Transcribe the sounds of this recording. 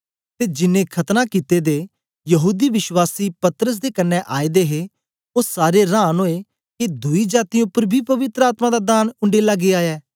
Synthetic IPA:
t̪eːd͡ʒɪnẽːkʰət̪nãːkiːt̪eːd̪eː | jəɦuːd̪iːʋɪʃwaːsiːpət̪ɾəs̬d̪eːkənːɛʔaːid̪eːɦe | oaːɾeɾãːnɦoːe | kid̪ʊiːd͡ʒaːt̪ĩʊpəɾbʱiːpəʋɪt̪ɾəaːt̪mãːd̪aːd̪aːnʊ̃ɳɖeːlaɡeːaːɛː

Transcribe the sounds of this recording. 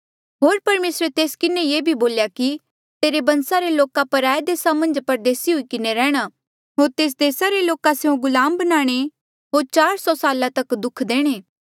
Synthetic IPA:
ɦoːɾpɐɾmeːsɾet̪eːskɪnẽjeːbʱiboːljaki | t̪eːɾebɐ̃nsaɾeloːkapɐɾaːed̪eːsamɐ̃nd͡ʒpɐɾd̪eːsiɦʊikɪneɾɛːɽ̃a | ɦoːɾt̪eːs̬d̪eːsaɾeloːkaseũɡʊlaːmbɐnaːɽ̃e | ɦoːɾt͡ʃaːɾsɔsaːlat̪ɐkd̪ʊkʰd̪eːɽ̃eː

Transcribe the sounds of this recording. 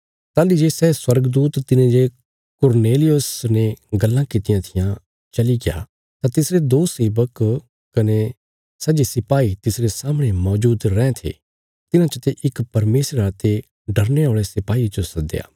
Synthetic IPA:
t̪aːlid͡ʒesɛːswɐɾɡd̪uːt̪t̪ːɪnãd͡ʒe | kʊɾneːlɪjosneɡɐlːãkɪt̪ɪjãt̪ʰɪjã | t͡ʃɐliɡɪja̰ | t̪at̪ɪsɾed̪oːseːbək | kɐne | sɛd͡ʒesɪpaːit̪ɪsɾesaːmɽ̃emɔːd͡ʒuːd̪ɾɛ̃ːt̪ʰḛ | t̪ɪnãt͡ʃət̪eʔɪkpɐɾmeːsɾəat̪e | ɖɐɾneoːɭesɪpaːit͡ʃosɐd̪ḛja̰ː

